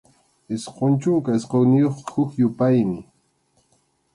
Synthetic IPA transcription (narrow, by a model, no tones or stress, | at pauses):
ɪsqont͡ʃʊŋkaɪsqownɪjoχhʊkjʊpajmɪ